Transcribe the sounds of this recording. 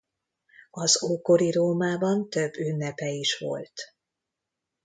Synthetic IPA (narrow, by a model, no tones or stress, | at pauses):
ɒzoːko̞ɾiɾoːmaːbɒnt̪ø̞bːynːɛpɛiʃʋo̞̰lt̪